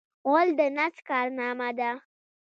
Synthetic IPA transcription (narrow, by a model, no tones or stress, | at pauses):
old̪ənat͡skaːɾnaːmad̪a